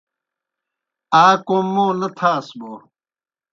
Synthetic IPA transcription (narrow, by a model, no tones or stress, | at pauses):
aːkomːoːnɐt̪ʰaːsboː